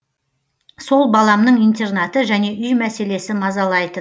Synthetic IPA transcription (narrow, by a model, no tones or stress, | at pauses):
so̞lˠbɑlˠɑmnəɴijnt̪e̞rnɑt̪əʒæne̞ʔʏjmæse̞le̞sɪmɑzɑlˠɑjd̪ə